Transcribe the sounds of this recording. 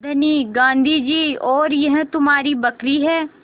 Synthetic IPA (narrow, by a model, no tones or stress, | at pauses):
d̪ʱəniːɡãːnd̪ʱid͡ʒiːɔːɾjɐɦt̪ʊmaːɾiːbəkɾiɦɛː